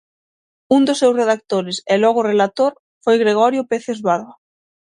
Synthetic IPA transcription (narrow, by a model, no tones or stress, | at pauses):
und̪ʊsːewsreðak̚t̪oɾɪsɛlɔɣʊːrelat̪oɾ | fojɣɾeɣ̞ɔɾjʊpeθezβaɾðo